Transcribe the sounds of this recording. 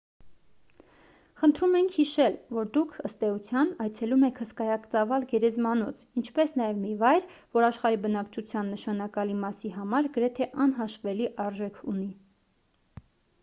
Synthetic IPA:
χənt̪ʰɾumɛŋkʰhiʃɛlvɔɾd̪ukʰəst̪ɛut͡sʰjɑnɑjt͡sʰɛlumɛkʰhəskɑjɑkt͡sɑvɑlɡɛɾɛzmɑnɔt͡sʰint͡ʃʰpɛsnɑjɛvmivɑjɾvɔɾɑʃχɑɾibənɑkt͡ʃʰut͡sʰjɑnːəʃɑnɑkɑlimɑsiɦɑmɑɾɡəɾɛt̪ʰɛʔɑnɦɑʃvɛliʔɑɾʒɛkʰuni

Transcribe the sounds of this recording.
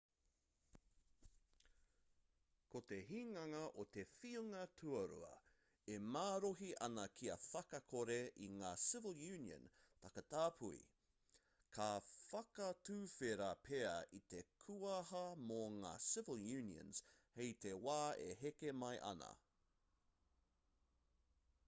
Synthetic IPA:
kot̪e̞ɦiːŋɐŋɐʔot̪e̞fiuŋɐtʰuɐɾṵɐ̰ | emaːɾoɦiʔɐnɐkʰiɐfɐkɐkʰoɾeʔiŋaːsɪvəlˠjʉːniə̰̃n | t̪ɐkɐt̪aːpʰuḭ | kʰafɐkɐtʉːfeɾapʰeɐ̰ʔit̪ekʰuɐɦɐmoŋa̰ːsɪvəlˠjʉːniə̰̃nz̥hejt̪ewaːḛɦekemɐjʔɐ̰nɐ̰

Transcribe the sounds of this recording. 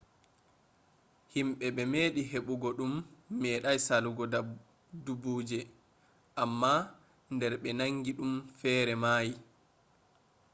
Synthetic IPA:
himɓɛɓɛmeːɗiɦeɓuɡɔɗumːɛːɗajsaluɡɔda | dubuːd͡ʒɛ | ʔamːa | ndɛɾɓɛnaŋɡiɗumfɛːɾɛmaːji

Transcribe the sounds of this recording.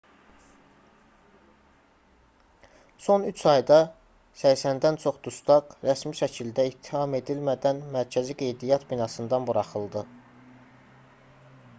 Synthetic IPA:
so̞nyt͡ʃʰɑjd̪ɑ | sæjsænd̪ænt͡ʃʰo̞χd̪̥ust̪ɑqɾæsmiʃæcʰild̪æit̪ʰːi̥hɑme̞d̪ilmæd̪ænmæɾcʰæziɡe̞jd̪ijɑt̪binɑsɯnd̪ɑnbuɾɑχɯlˠd̪ɯ

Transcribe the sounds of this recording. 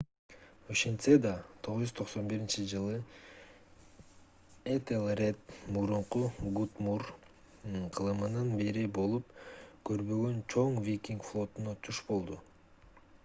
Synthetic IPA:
oʃent̪sed̪ɑt̪ʰo̞ʁzʲyzt̪ʰo̞qso̞nbiɾint͡ʃid͡ʒɯlˠɯ | et̪elˠret̪muɾuɴquɡut̪mur | qʰɯlˠɯmɯnɯnbiɾibo̞lˠupkʰø̞ɾβø̞ɡø̞nt͡ʃʰo̞ŋvʲikʲiŋkflˠo̞t̪unɑt̪ʰuʃbo̞lˠd̪u

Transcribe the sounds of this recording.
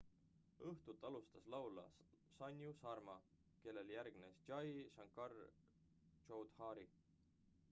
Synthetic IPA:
ɤht̪ut̪ːˑɑlust̪ɑslɑwlɑ̰sɑnʲjusɑrmɑ | ke̞lːe̞ljæɾɡ̥nesd͡ʒɑjʃɑŋkːɑr | t͡ʃowd̪̥hɑːɾi

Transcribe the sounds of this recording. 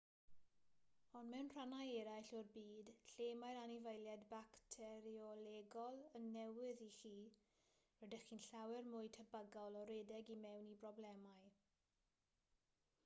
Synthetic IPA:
ɔnmɛwnr̥anajɛɾajɬʊrbiːd̥ɬeːmajɾanɪvəjlˠjɛdbaktʰɛɾiɔlɛɡɔlˠənːɛwɪðiχiː | wɛdɛχiːnɬawɛrmʊjtʰəbəɡɔlˠɔɾɛdɛɡimɛwnibrɔblɛmaj

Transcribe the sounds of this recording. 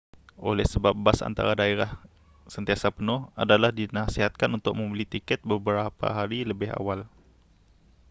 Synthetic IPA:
ʔo̰lɛhsəbap̚basa̰nt̪a̰ɾadaeɾah | sənt̪iasapənʊha̰dalahdinasiɦat̪̚kanunt̪ʊk̚mə̃mbəlit̪ikɛt̪̚bəbəɾapa̰ɦaɾiləbɪɦa̰wal

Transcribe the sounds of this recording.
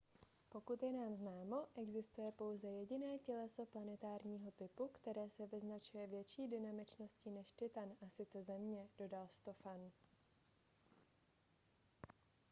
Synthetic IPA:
po̞kut̪jɛnaːmznaːmo̞ʔɛɡzɪst̪ujɛpo̞wzɛjɛɟɪnɛːcɛlɛso̞planɛt̪aːɾɲiːɦo̞t̪ɪpukt̪ɛɾɛːsɛvɪznat͡ʃujɛvjɛt͡ʃiːdɪnamɪt͡ʃno̞scɪnɛʃt̪ɪt̪anʔasɪt͡sɛzɛmɲɛd̥o̞dalst̪o̞fan

